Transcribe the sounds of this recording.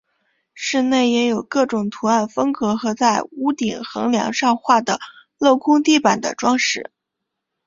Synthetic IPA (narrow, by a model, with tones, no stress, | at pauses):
ʂɻ̩˥˧ne˥˩ɪjɛ˧˥jo˨˩ʊkɤ˥˩ʈ͡ʂʊ˨˩ŋt̪ʰu˧˥a˥˩nfɤ˥ŋkɤ˧˥xɤ˧˥t͡sa˥˩ɪu˧˥t̪i˨˩ŋxɤ̰˧˥ŋljɑ̰˧˥ŋʂɑ˥˧ŋxwa˥˩d̪ə˩ | lo˥˩ʊkʰʊ˥ŋt̪i˥˩pa˨˩nd̪ə̰˧˦ʈ͡ʂwɑ˥ŋʂɻ̩˧˩˦